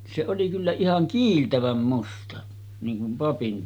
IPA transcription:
se oli kylːæ ihɑŋ kiːltæʋæm mustɑ niːŋ kum pɑpin

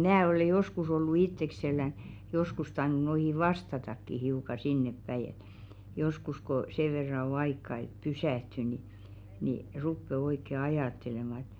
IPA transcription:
mnæː ole joskus olːu itːekselːæn joskus tɑinu noihi ʋɑstɑtɑkːi hiukɑ sinːepːæi et joskus ko seʋ̆ ʋerːɑ o ɑikːɑ et pysæˑhty ni ni rupːe oikːe ɑjɑˑtːelemɑ

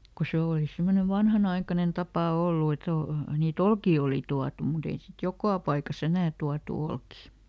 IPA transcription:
ku se oˑli semːone ʋɑnhɑnɑikɑnen tɑpɑˑ olːu et o niːt olkiː oli tuɑtu mut ei sit jokɑˑ pɑikɑs enæː tuɑtu olkiˑ

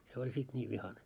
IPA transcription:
se olʲ sit nʲiːʋ ʋihɑne

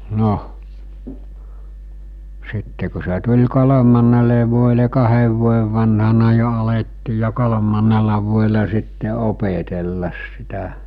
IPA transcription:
no sitːe ku se tulʲ kolomɑnːele ʋuoele kɑheʋ ʋuojeʋ ʋɑnhɑnɑ jo ɑletːiː jɑ kolomɑnˑelɑ ʋuoelɑ sitːe opetelːɑs sitæ

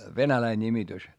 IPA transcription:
ʋenælæi nʲimitys

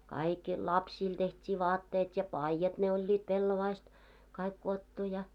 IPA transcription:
kɑik lɑpsiːl tehtʲiː ʋɑːtːeːt jɑ pɑijɑt ne olʲːit pelːoʋɑist kɑik kuotːu jɑ

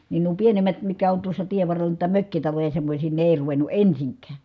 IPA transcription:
nin nuo pienemˑæt mitkæ on tuosːɑ tieʋːɑrːelˑɑ nuitɑ møkːitɑlojɑ semːosʲiː ne eˑi̯ ruʋenˑu ensiŋkˑæːn̞

